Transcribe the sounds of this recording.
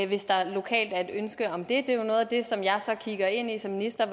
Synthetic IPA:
ʋe̝sd̥ɑ̈lo̝kʰɛ̰ːld̥æd̥ønsɡ̥əɒ̽md̥e̝d̥e̝jonɔ̽ːðˠæd̥e̝sɒ̽mjɑ̈ɪsɒ̽kʰiɡ̥ɐe̝n̰isɒ̽mːinisd̥ɐ

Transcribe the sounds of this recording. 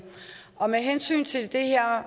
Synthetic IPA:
ɒ̽meɦensy̰ːnt͡sʰe̝ld̥e̝heɐ̰

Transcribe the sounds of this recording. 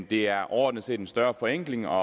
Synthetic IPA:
d̥e̝æɐʔɒ̰ːd̥nəse̝ːd̥ensd̥ɶɐfɒ̽eŋ̰ɡ̥le̝ŋɒ̽

